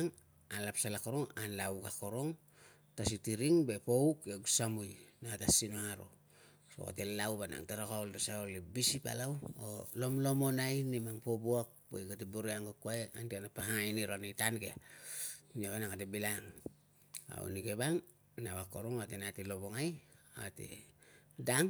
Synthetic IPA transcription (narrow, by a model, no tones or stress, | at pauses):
ŋ | alapsalakoɾo̞ŋanlawkako̞ɾoŋ | tas̬itiɾiŋbe̞poukeɡusamujnaatasinoŋaɾo̰ | so̰ka̰telawbana̰ŋtaɾakaoldasaolibisipa̰lawo̰lo̞mlo̞mo̞najnimaŋpobuak̚bojɡat̬eboɾeaŋɡokuaeantianapahaŋiniɾonijtanɡea | noβanaŋatebilaŋ | a̰ṵnikeβaŋ | naβako̰ɾo̞ŋatenatilo̞βoŋaja̰tḛ | daŋ